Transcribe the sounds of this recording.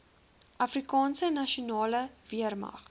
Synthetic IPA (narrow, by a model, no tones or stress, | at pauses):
ʔɐfrikɑːnsənːɐʃiunɑːləviərmɐ̰χ